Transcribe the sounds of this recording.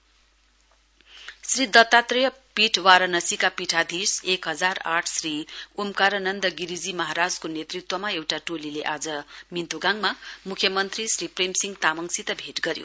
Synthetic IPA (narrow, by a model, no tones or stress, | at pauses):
srid̪ʌt̪ːat̪rjʌ | piʈʰwaɾʌnʌsikapiʈʰad̪ʱisekɦʌd͡zaraʈʰsriumkaɾʌnʌnd̪ʌɡiɾid͡zimʌɦaɾad͡zkonet̪rit̪wʌmaewʈaʈolileʔad͡zʌmint̪uɡaŋmamukʰjʌmʌnt̪risripremsiŋɡt̪amʌŋsit̪ʌbʱeʈɡʌɾjo̰